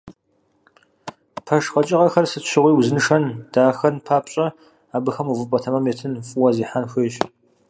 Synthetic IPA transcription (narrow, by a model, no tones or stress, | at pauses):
pʰɐʃqɐt͡ʃʼɪʁɐxɐrsɨtʃɪʁʷiːwzɨnɨʂɐnd̥aːxɐnpʰaːpɕʼɐ | aːbɨxɐmuvɨpʼɐtʰɐmɐmeːtʰɨnfʼʊwɐziːħanxʷeːɕ